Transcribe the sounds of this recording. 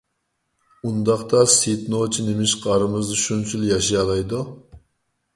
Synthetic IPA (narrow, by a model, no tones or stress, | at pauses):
und̪ɑqt̪ɑsit̪not͡ʃʰinemɪʃqʰɑɾɨmɨzd̪ɨʃunt͡ʃʰyljɑʃijɑlˠɑjd̪u